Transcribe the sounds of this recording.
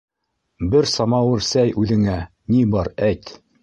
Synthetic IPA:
bɘɾsɑmɑwɘɾsæjʉðɘ̆ŋæ | nibɑɾæjt̪

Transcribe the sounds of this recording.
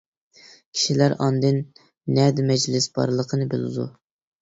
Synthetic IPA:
kʲʰi̥ʃilæɾɑnd̪ɨnː | ɛd̪ɪmɛd͡ʒlɪsb̥ɑ̰ɾlˠəqʰənɨbɨlˠɨ̰d̪ṵ

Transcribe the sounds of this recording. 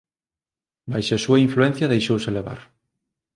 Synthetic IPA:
bajʃɐsuɐiɱfluɛn̟θjɐðejʃowsɪleβa̰ɾ

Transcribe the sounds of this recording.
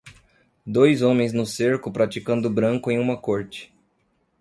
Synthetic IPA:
d̪ojzõmẽj̃znʊseɾkʊpɾat͡ʃikɐ̃nd̪ʊbɾɐ̃ŋkʊẽj̃ũmɐkoɾt͡ʃɪ̥

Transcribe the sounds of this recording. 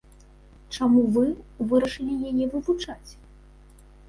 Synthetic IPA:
t͡ʂamuvɨvɨɾɐʂɨlʲijajɛvɨvut͡ʂat͡sʲ

